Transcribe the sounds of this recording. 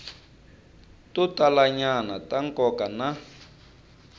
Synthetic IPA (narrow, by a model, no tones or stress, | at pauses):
tutalaɲanataŋkɔkana